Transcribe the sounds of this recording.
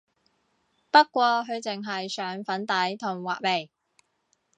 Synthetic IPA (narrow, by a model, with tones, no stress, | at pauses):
pɐ˥tkʷɔː˧ɦɵ˨˧ɥt͡sɪ˨ŋɦɐ˨jsœː˨˥ŋfɐ˨˥nt̪ɐ˨˥jt̪ʰʊ˨˩ŋwaː˨k̚me˨˩j